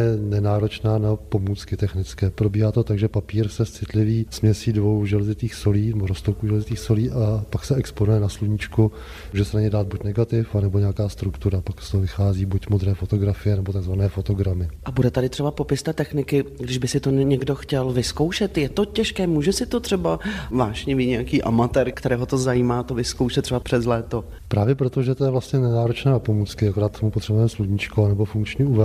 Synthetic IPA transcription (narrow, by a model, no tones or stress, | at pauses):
ɛnɛnaːɾo̞t͡ʃnaːnapo̞muːt͡skɪt̪ɛxnɪt͡skɛːpɾo̞biːɦaːt̪o̞t̪aɡʒɛpapiːɾsɛst͡sɪt̪lɪviːsmɲɛsiːdvo̞wʒɛlɛzɪt̪iːxsoliːnɛboɾost̪okuʒɛlɛzɪt̪iːxso̞liːʔapaksɛɛksponujɛnasluɲɪt͡ʃku | muʒɛsɛnaɲɛjdaːd̪̚bucnɛɡat̪ɪfanɛbo̞ɲɛakaːst̪ɾukt̪uɾapakst̪oɦovɪxaːziːbucmod̪ɾɛːfo̞t̪o̞ɡɾafɪjɛnɛbot̪aɡzvanɛːfo̞t̪o̞ɡɾamɪʔabudɛt̪adɪt̪r̝̥ɛbapo̞pɪst̪ɛːt̪ɛxnɪkɪɡdɪʒbɪsɪt̪oɲɛɡdo̞xcɛlvɪskowʃɛt̪jɛt̪o̞cɛʃkɛːmuːʒɛsɪt̪o̞t̪r̥ɛbavaːʒɲɛviːɲɛjakiːʔamat̪ɛːɾkt̪ɛɾɛːɦo̞t̪o̞zajiːmaːt̪ovɪskowʃɛt̪r̥ɛbapr̥ɛzlɛːt̪o̞ | pɾaːvjɛpɾot̪oʒɛt̪ojɛvlast̪ɲɛnɛnaːɾot͡ʃnaːopomuːt͡skɪakoɾaːt̪t̪ːomupot̪r̥ɛbuvɛːmsluɲit͡ʃkoanɛbofuŋkt͡ʃɲɛuvɛ